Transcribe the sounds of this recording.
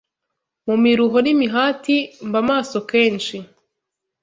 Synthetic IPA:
mumiɾuɦo̞nimiɦaːtimbamaːso̞ke̞ːnʃi

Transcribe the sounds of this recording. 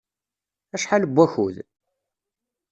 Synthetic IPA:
æʃħaləbʷːæçṵð

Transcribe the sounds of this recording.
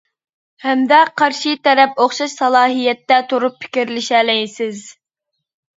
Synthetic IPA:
hɛmd̪ɛqʰɑɾʃit̪ɛɾɛpoχʃɑʃsɑlˠɑːɦijɛt̪ːɛt̪ʰuɾuppʰɪ̥kʲiɾlɪʃɛlɛjsɪz

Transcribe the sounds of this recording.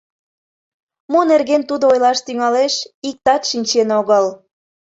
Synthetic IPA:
monerɣent̪ud̪oojlɑʃt̪yŋɑleʃik̚t̪ɑt̪ʃinʲt͡ɕenoɣəl

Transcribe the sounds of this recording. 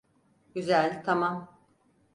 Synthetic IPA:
ɟyzælʲt̪ʰamam

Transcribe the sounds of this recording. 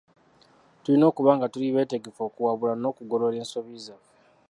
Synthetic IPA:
tulino̞ːkuβaːŋɡatuliβe̞ːte̞ɡe̞fo̞ːkuwaβulano̞ːkuɡolo̞le̞ːnso̞βiːzave

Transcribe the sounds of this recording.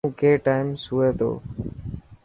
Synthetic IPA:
keːʈaːɪmsɦʊʋeːt̪ʰo̰ː

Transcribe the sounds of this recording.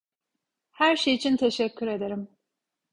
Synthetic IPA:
hæɾʃejit͡ʃʰint̪ʰe̞ʃɛcʰːyɾe̞d̪eɾim

